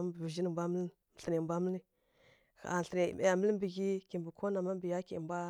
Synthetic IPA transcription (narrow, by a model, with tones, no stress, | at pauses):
bbə˨ʒi˦n˨bʷa˦mə˦l | m˨ɬə˨ni˨bʷa˦mə˦li˦˨ | a̰˨ɬə˨ni˨e˨ja˨mə˦lm˦bə˨ɡi˦ki˨mbə˨kʰo˦na˨ma˦bə˨ja˦ki˨mbʷa˦